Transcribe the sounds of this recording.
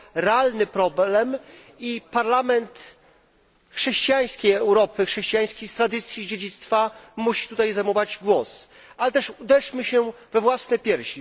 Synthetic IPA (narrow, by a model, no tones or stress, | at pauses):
ɾɛalnɘpɾɔblɛm | ipaɾlamɛnt̪ | xʂɛɕt͡ɕijaj̃skʲejɛwɾɔpɘxʂɛɕt͡ɕijaj̃skʲest̪ɾad̪ɘt̪sʲjid͡ʑed͡ʑit̪st̪famuɕi̥t̪ut̪ajzajmɔvad͡ʑɡwɔs | ʔalɛt̪ɛʂud̪ɛʂmɘɕɛvɛvwasnɛjpʲjɛɾɕi